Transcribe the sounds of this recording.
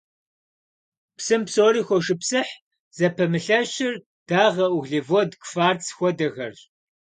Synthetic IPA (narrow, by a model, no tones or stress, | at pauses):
psɨmpsoːɾiːxʷɔʂɨpsɨħ | z̥ɐpʰɐmɨɬɐɕɪr | d̥aːʁɐʔʊɣɮevɔdkfaːrt͡sʰxʷɔdɐɣɐrɕ